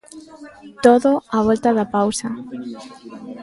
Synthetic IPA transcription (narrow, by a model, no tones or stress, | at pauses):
t̪oðoaβ̞olt̪aðapawsa